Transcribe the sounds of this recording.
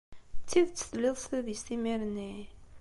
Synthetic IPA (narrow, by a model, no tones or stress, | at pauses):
t͡sːiðt͡sːə̥θlːiðˤsθiðjst̪imiɾni